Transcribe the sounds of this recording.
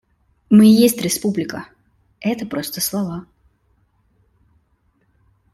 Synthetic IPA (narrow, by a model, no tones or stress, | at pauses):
mɨjesʲtʲɾʲɪspublʲɪkə | ɛt̪əpɾost̪əslˠɐva